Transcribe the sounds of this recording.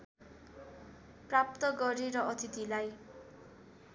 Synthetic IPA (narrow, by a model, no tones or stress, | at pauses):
prap̚t̪ʌɡʌɾiɾʌʌt̪it̪ilaj